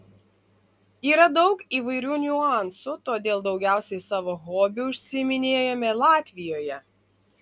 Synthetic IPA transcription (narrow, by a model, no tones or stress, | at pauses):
iːɾɐd̪ɒʊkiːʋɐɪɾʲuːnʲʊɑˑnsʊt̪oːd̪ʲeːlˠd̪ɒʊɡʲæˑʊsʲɛɪsɑːʋoːɣoːbʲʊʊʃʲsʲɪmʲɪnʲeːjomʲɛlˠɑːt̪ʲʋʲɪjoːjɛ